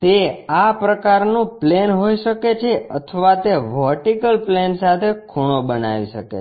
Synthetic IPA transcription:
t̪eapɾəkaɾnũplenɦoiʃəket͡ʃʰeə̰t̪ʰəʋat̪eʋəɾʈikəlplensat̪ʰekʰuɽ̃obəna̰ʋḭʃəkḛ

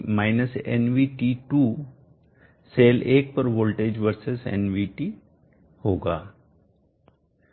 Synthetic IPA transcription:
maːɪnəsɛ̰nʋiːʈiʈuː | seːleːk̚pəɾʋoːlʈeːd͡ʒʋəɾsɪsɛ̰nʋiʈiː | hoːɡaː

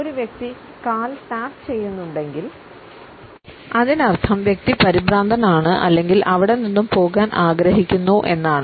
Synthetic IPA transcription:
oɾuʋjek̚t̪i | kaːlʈaːkt͡ɕe̞jːunːuɳɖe̞ŋɡil | ɐðinɐrt̪ʰɐmʋjek̚t̪ipɐɾibɾaːnd̪ʱɐnaːɳɨʔɐ̰lːe̞ŋɡilʔɐʋiɽeninːumpo̞ːɣaːnʔaːɡɾɐɦikʲːunːuʔe̞̰nːaːɳɨ

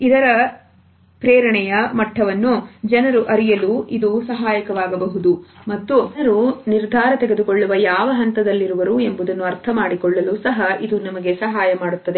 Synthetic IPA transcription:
id̪ɐɾɐ | pɾɛːɾɐɳɛjɐmɐʈʰːɐʋɐnːud͡ʒɐnɐɾuʔɐɾijɐluid̪usɐɦaːjɐkɐʋaːɡɐbɐɦud̪umɐt̪ːuɐɾuniɾd̪ʱaːɾɐt̪ɛɡed̪ukoɭːuʋɐjaːʋɐɦɐnt̪ɐd̪ɐlːiɾuʋɐɾue̞mbud̪ɐnːuɐɾt̪ʰɐmaːɽikɔɭːɐlusɐɦɐid̪unɐmɐɡe̞sɐɦaːjɐmaːɽut̪ːɐd̪e

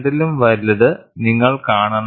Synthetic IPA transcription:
ɽilumʋɐɾlːɐðɨniŋːɐɭkaːɳɐnː

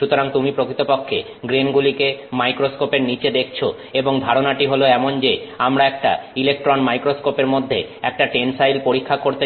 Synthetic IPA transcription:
ʃut̪oɾaŋt̪umipɾokɾit̪opokʰːe | ɡɾenɡulikemajkɾoskopeɾnit͡ɕed̪ek̚ʰt͡ɕʰo | eboŋd̪ʱaɾonaʈiɦoloɛmond͡ʑeamɾaɛk̚ʈa̰ilek̚ʈɾonmajkɾoskopeɾmod̪ʱːeɛk̚ʈaʈensajlpoɾikʰːakoɾt̪e

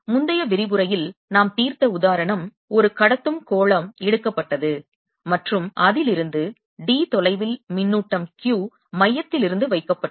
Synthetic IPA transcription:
mʊnd̪ɐjɐʋɪɾɪbɯɾɐjɪlnaːmt̪iːɾt̪ɐʊðaːɾɐɳɐm | ɔɾɯkɐɽɐt̪ːɯmkoːɭɐmɛɽɯkːɐpːɐʈːɐðɯ | mɐʈrɯmʔɐðɪlɪɾɯnd̪ɯ | ɖiːt̪ɔlɐɪʋɪlmɪnːuːʈːɐmkjuː | mɐjːɐt̪ːɪlɪɾɯnd̪ɯʋɐɪkːɐpːɐ

